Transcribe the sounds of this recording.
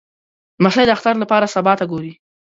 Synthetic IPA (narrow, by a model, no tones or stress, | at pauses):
maʃajd̪əaxt̪aɾlapɑɾasabɑt̪aɡoɾi